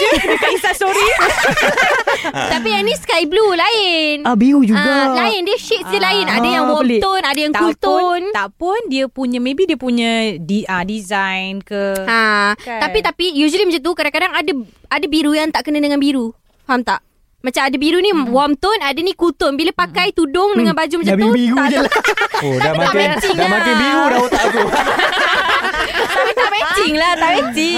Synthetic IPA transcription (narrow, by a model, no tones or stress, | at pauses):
əkaisasoɾi | t̪apianĩskaiblulaɪnbiɾud͡ʒuaɡalaɪndiəʃit̪̚dəlaɪnadajaŋwɔt̪ʊnadajaŋut̪ʊnt̪apʊndiəpuɲãmẽbidiəpuɲãdiadizajnkəat̪apit̪apijud͡ʒuliməd͡ʒat̪̬ukadãŋkadaŋadəadabiɾujaŋt̪aʔkənədəŋanbiɾu | hamt̪aʔ | mat͡ʃamadabiɾunĩwamt̪ʊnadənikut̪ʊnbilapakajt̪udʊŋdəŋãnbad͡ʒuməd͡ʒaiiɡ̪aud͡ʒəlaodamaat̪ɪŋmat̪ibiɾudaoaku | ait̪amɛt̪ɪŋlaht̪aʔɛt̪ɪ